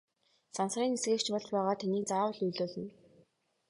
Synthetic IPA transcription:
sansriːnesɡeːrt͡ɕpɔɮt͡ɕpæːʁaːt̪ʰæniːkt͡saːwə̆ɮujɮoːɮə̆n

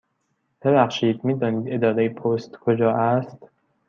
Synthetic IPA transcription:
b̥ebæxʃiːd̪miːd̪ɒːniːd̪e̞d̪ɒːd̪ejepʰost̪kʰod͡ʒɒːʔæst̪

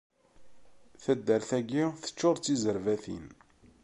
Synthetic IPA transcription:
θæd̪ːəɾθæɡiθə̥t͡ʃːʊɾt͡sːizəɾvæθḭn

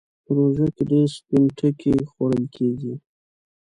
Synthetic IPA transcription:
pəɾoʒakedeɾspɪnʈʰəkexwaɽəlkʰeɡi

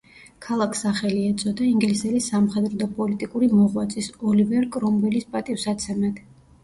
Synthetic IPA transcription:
kʰalˠakʰsaχɛliɛt̪sʼɔd̪aiŋɡlisɛlisːamχɛd̪ɾɔd̪apʼɔlit̪ʼikʼuɾimɔʁwat̪sʼisɔlivɛɾkʼɾɔmbɛlispʼat̪ʼifsat̪sʰɛmɛt̪ʰ

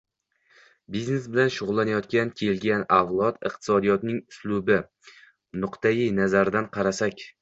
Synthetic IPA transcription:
bizne̞sbɪlanʃʊʁʊlˠːanajɒt̪kʲankʲʰe̞lɡʲanavlˠɒt̪ɨ̰qt̪ʰɪ̥sɒd̪ijɒt̪nɪŋʊslʊbɪ | nʊqt̪ʰajɪnazaɾd̪anqʰɑɾasakʲ

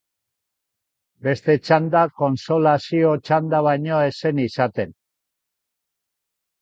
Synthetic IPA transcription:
be̞st̪e̞t͡ʃand̪ako̞nso̞lasio̞t͡ʃand̪aβajɲo̞e̞se̞nisat̪e̞n

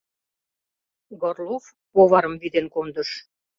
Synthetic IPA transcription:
ɡorlof | poβɑɾəmvid̪enkond̪əʃ

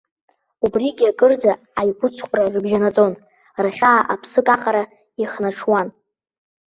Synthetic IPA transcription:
ubriɡʲiakʼɨrd͡za | ajɡʷʼʊt͡sʷʰqʷʼrarɨbʒanat͡sʼo̞n | raχʲaːʔapʰsɨkʼaqʼaɾa | iχnaʈ͡ʂʰwan

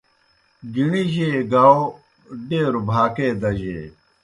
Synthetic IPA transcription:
ɡiɳiʑeːɡao | ɖeːɾubʱaːkeːd̪ɐʑḛː

